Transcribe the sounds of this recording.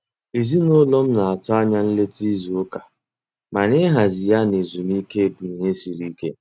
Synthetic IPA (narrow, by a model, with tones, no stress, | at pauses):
i˨zi˦no˦lɔ˦m̩˦na˨a˨tʊ˦a˦ɲa˦n̩˦le˦ti˦zi˨o˦ka˨ | ma˨ɾɪ˦ɦa˨zi˨ja˦ne˨zu˨m˦i˦ke˦˨bu˨i˨ɦe˦si˨ɾi˦kḛ˦